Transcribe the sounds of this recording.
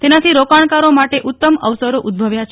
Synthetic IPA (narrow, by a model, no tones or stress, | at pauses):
t̪enat̪ʰiɾokaɳkaɾomaʈeʔut̪ːəməʋsəɾoʔud̪̚bʱəʋjat͡ʃʰ